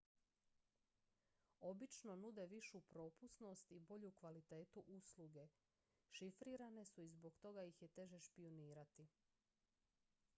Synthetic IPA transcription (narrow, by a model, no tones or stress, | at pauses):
o̞bit͡ʃno̞nud̪e̞ʋiʃupɾo̞ːpusno̞st̪ibo̞ʎukʋalit̪e̞ːt̪uʔusluɡe̞ | ʃifɾiːɾane̞suizbo̞ɡt̪o̞ɡajixjet̪e̞ʒe̞ʃpioniːɾat̪i